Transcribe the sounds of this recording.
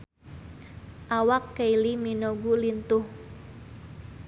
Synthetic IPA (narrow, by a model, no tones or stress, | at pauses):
ʔawakːeiliminoɡulint̪ʊh